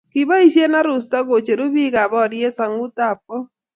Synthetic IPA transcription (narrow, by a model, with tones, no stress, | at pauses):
ki˨βa˦i˦ʃe˦na˦ɾʊ˨s̬tɔ˦ɣo˨t͡ʃe˨ɾu˦bi˦ɣa˨βɔ˦˨ɾje˦sa˨ŋu˦ta˦˨po˦